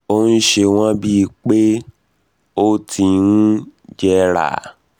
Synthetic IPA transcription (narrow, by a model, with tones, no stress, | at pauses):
o˦n̩˦ʃe˧w̃ɔ̃˦bi˦˧k͡pe˦ | o˦tʰi˧nũ˦d͡ʒɛ˧ɾa̰˨